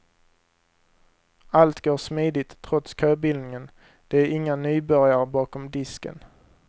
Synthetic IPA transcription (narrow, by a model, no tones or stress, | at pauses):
alt̪ɡoːʂmiːd̪ɪt̪ʰːɾɔt̪skʰøːbɪlnɪŋən | d̪̥ɛæɾɪŋːanyːbœɾjaɾəbɑːkɔmd̪ɪskə̰n